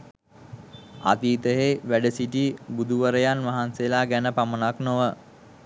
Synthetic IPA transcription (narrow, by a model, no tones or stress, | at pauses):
a̰t̪iːt̪əɦeʋæɖəsiʈibud̪ʱuʋəɾəjanʋaɦanselaːɡænəpamənaknoʋə